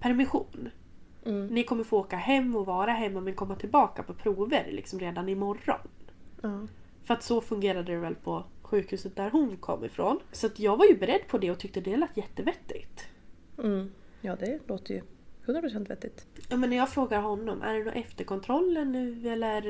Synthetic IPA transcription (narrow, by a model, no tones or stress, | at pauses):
pʰæɾmɪɧuːn | nɪkʰɔmːəɾfoːoːkaɦɛmːɔvɑːɾaɦɛmːamɛnkʰɔmːat̪ʰɪlbɑːka̰pʰɔpʰɾuːvəɾlʔɪ̰ksɔmɾeːd̪anɪmɔrːɔ̰nɑ | fœɾat̪sɔfɵŋɡeːɾad̪əɾɛvɛlpʰɔɧʉ̟ːkhʉ̟ːsət̪̚d̪æɾɦʊnkʰɔ̰mːɪ̰fɾo̰ːnsɔat̪jɑːɡvaɾjɵbɛɾɛd̪ːpʰɔd̪ɛɔt̪ʰʏk̚t̪əd̪ɛalat̪jɛt̪ːəvɛt̪ːɪ̰t̪̩ː | jɑːd̪ɛloːt̪əjɵ̰hɵnɾapʰɾʊsɛnt̪vɛ̰t̪ːɪt̪jɑmɛnːɛjɑːɡfɾoːɡaɾɦɔnːɔmʔæ̰ɖɛnṵːʔɛft̪əɾkʰɔnt̪ʰɾɔlːənːʉ̟ːɛlːəɾ